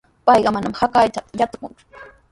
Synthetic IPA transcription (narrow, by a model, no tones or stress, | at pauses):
pɑjɢɑmanamhakajt͡ʃat̪ajat̪ʊ̥kʊŋt͡sʊ̥